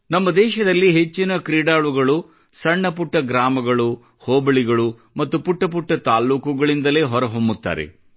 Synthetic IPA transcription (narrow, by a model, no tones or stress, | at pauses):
nɐmːɐd̪ɛːʃɐd̪ɐlːiɦe̞t͡ʃːinɐkɾiːɽaːɭuɡɐɭu | sɐɳːɐp̬uʈːɐɡɾaːmɐɡɐɭu | hoːbɐɭiɡɐɭu | mɐt̪ːupuʈːɐp̬uʈːɐt̪aːluːkuɡɐɭind̪ɐle̞ːɦɔɾɐɦombut̪ːa̰ːɾḛ